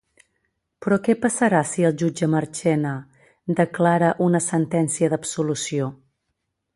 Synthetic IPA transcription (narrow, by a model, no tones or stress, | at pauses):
pɾɔkɛpəsəɾasiəlˠʒud͡ʒəməɾt͡ʃɛnə | d̪əklaɾəʔunəsənt̪ɛnsiəðəbsulusio